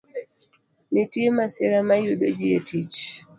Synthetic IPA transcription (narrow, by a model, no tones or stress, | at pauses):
nitiɛmasɛɾamajuɗɔd͡ʒiɛtʰit͡ʃ